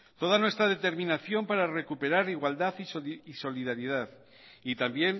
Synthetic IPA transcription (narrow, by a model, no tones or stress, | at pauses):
t̪o̞ð̞anwest̪ɾaðe̞t̪e̞ɾmĩnaθjo̞mpaɾare̞kupe̞ɾaɾiɣwald̪aθisiso̞liðaɾiðaθ | it̪ambje̞n